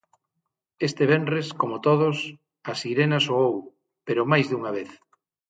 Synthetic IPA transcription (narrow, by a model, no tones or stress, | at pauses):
est̪eβ̞enrreskomot̪oð̞os | ɐsiɾenasoow | peɾomajzðuŋaβ̞eθ